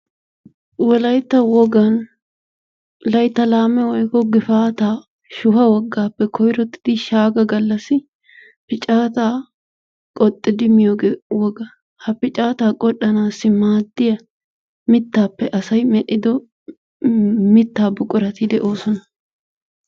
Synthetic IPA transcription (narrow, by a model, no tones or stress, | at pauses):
wɔlɐjt̪ːɐwɔɡɐn | lɐjt̪ːɐlaːmɛwɔjkɔɡɪfaːt̪aː | ʃʊhɐwɔɡːaːpːɛkʰɔjɾɔt̪ːɪ̥d̪̥ɪʃaːɡɐɡɐlːɐsɪ | pɪt͡ʃʼaːt̪aː | kʼɔt̪ʼːɪd̪ɪmɪjoːɡewɔɡɐ | hɐpɪt͡ʃʼaːt̪aːkʼɔɗːɐnaːsːɪmaːd̪ːɪjɐ | mɪt̪ːaːpːɛʔɐsɐjmɛᶑɪd̪ɔ | mɪt̪ːaːbʊkʼːʊɾɐt̪id̪ɛʔo̞ːsɔnɐ